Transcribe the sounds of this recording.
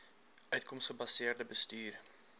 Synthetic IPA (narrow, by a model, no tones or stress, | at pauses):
ʔœɥtkɔmsχəbɐsɪːərdəbəstyːr